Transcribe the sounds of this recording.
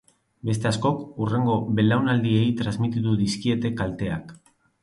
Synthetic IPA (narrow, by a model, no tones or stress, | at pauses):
be̞st̪e̞asko̞kure̞ŋɡo̞βe̞lawnald̪ie̞jt̪ɾazmit̪it̪uðiskie̞t̪e̞kalt̪e̞ak